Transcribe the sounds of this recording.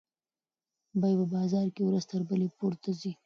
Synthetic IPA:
bajpəbɑzɑɾkewɾəzt̪əɾbəlepoɾt̪azi

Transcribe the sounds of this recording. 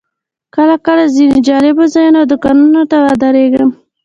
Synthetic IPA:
kəlakəlazined͡ʒɑlɪbozɑjunad̪ʊkɑnunot̪aɾad̪aɾeɡəm

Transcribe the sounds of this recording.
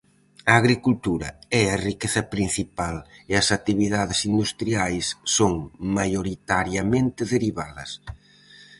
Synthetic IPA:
ɐːɣɾikult̪uɾɐ̰ɛarikeθɐpɾin̟θipalɪɐsat̪iβiðaðɪsind̪ust̪ɾiajsːoŋmajoɾit̪aɾjɐmẽnt̪ɪðeɾiβaðɐs

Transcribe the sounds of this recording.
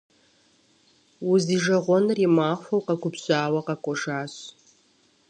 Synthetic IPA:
wʊziʒɐʁʷɔnrimaːχʷfɐwqɐkʷʰʊpɕʷʼaːwɐqɐkʷʼɔʂaːɕ

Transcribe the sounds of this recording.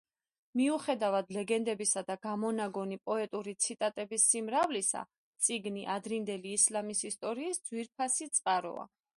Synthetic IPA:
miuχɛd̪avad̪lɛɡɛnd̪ɛbisad̪aɡamɔnaɡɔnipʼɔɛt̪ʼuɾit̪sʰit̪ʼat̪ʼɛbisːimɾavlisa̰ | t̪sʼiɡniʔad̪ɾind̪ɛliːslamisist̪ʼɔɾiːsd̪zwiɾpʰasit̪sʼqʼaɾɔ̰a̰

